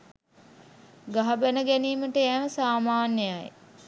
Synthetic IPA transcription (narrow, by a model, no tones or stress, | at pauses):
ɡaɦabænəɡæniːməʈəæːʋəsaːmaːnjəja̰j